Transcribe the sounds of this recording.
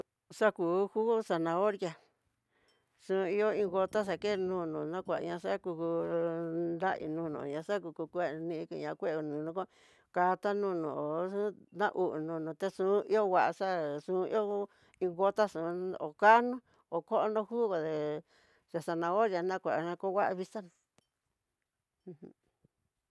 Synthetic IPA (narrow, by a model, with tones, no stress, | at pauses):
ʂa˦ku˨˧˨hu˦sa˧nã˧o˦ɾja˧ | ʂũ˧˦˧i˦o˦ĩ˧ɡo˧t̪a˦ʂ̬a˨ke˦˧nũː˦˧˨nũ˨nã˦kʷa˨˧ɲã˧ʂa˦ku˧ku˧ | nd̪a˦ʔḭ˧˨nũː˧˦˧nṵ̃˨ɲã˧ʂa˦ku˧ku˧kʷe˦˧nĩ˧ĩ˧kḭ˧˨ɲã˧kʷe˦˧u˧nũ˨nũ˧ko˦ | ka˧t̪a˦nũ˦nõ̰˨ʔo˨ũ˦nã̰˦ʔu˨ʔnũ˧˨nũ˨t̪e˧ʂũ˧˦i˦o˦wa˧ʔa˧ʂa˦ʂũ˧˦ḭ˦o˦ | ĩ˧ɣo˧t̪a˦ʂũ˨˧o˨ka˦nũ˦ | o˨ko˦ʔo˦nõ˧˦hu˦ɣo˨ðe˨ | ja˨ʂa˧nã˧o˦ja˧nã˦kʷa˨ɲã˧ko˦˧wa˦ʔa˧βi˧sa˦nũ˧˨˧ | h